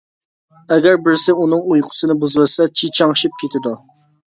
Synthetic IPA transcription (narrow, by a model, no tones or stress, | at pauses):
ɛɡʲæɾbɪɾsɪunɨŋujqʰʊ̥sɨnɨbuzwɨsɛt͡ʃʰit͡ʃʰɑŋʃip̚kʲʰet̪ʰɪd̪u